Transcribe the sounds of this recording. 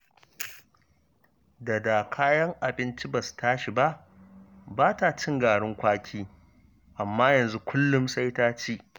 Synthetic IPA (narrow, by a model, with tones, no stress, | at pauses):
da˨da˨kʰaː˦jɐ˦ŋʔa˨bɪ˦nt͡ʃi˦ba˨su̥˨taː˦ʃi˨ba˦ʔ | baː˦ta˨t͡ʃɪ˦ŋɡaː˨ɽʊ˦ŋkʷaː˦kʲʰiː˦ | ʔa˨mːaː˦jɐ˨nzu˦kʷʰʊ˦lːʊ˦msʼa˦jtaː˦t͡ʃiː˦